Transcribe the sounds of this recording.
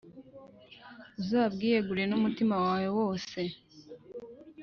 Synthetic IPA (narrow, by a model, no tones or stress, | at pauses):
uzaːbɡiːje̞ɡuɾienumutimawaːwewo̞ːse̞